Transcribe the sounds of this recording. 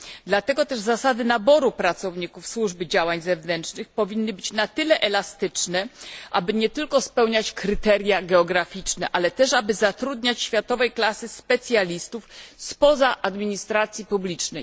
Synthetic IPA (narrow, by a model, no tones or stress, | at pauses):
d̪lat̪ɛɡɔt̪ɛʐzasad̪ɘnabɔɾupɾat̪sɔvɲikufswuʐbɘd͡ʑawaɲzɛvnɛntt͡ʂnɘxpɔvʲinːɘbɘt͡ɕnat̪ɘlɛʔɛlast̪ɘt͡ʂnɛʔabɘɲɛt̪ɘlkɔspɛwɲat͡ɕkɾɘt̪ɛɾʲjaɡɛɔɡɾafʲit͡ʂnɛʔalɛt̪ɛʂabɘzat̪ɾud̪ɲat͡ɕɕfʲjat̪ɔvɛjklasɘspɛt̪sʲjalʲist̪ufspɔzaʔad̪mʲiɲist̪ɾat̪sʲjipublʲit͡ʂnɛj